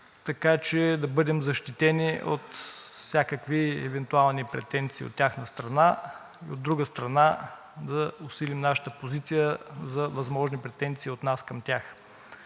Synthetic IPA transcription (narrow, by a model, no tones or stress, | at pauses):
t̪ɐkat͡ʃɛd̪ɐbɤd̪ɛmzɐʃt̪it̪ɛnʲiʔo̰t̪fsʲakəkviɛ̰vɛnt̪ualˠnipɾɛt̪ɛnt̪siːo̰t̪ːʲjaxnəst̪ɾɐna | iod̪ːɾuɡəst̪ɾɐna | d̪ɐʊsilimnaʃə̥t̪əpozit̪sijəzɐvɐzmɔʒnipɾɛt̪ɛnt̪siːot̪naskɐmt̪ʲjax